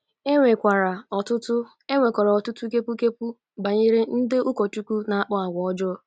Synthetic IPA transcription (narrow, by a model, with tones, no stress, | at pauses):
e˦ŋʷe˨kʷa˨ɾa˨ɔ˨tʊ˦tʊ˦ | e˦ŋʷe˨kʷɔ˨ɾa˨ɔ˨tʊ˦tu˦ke˦pu˦ke˦pu˦ | ba˨ɲɪ˦ɾɪ˦n̩˦de˦u˦kɔ˨tu˦kʷu˦na˨a˦˨k͡pɔ˦a˨ɡʷɔ˨ɔ˦d͡ʒɔ˦